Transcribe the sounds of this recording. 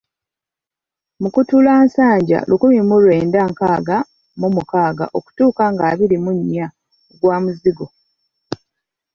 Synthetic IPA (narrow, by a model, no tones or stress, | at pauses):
mukutulaːnsaːɲɟa̰lʔukumimulwe̞ːndaːŋkaːɡa | mumukaːɡa̰ʔo̞ku̥tuːkaŋɡaːβilimuɲːa | ɡwaːmuziɡo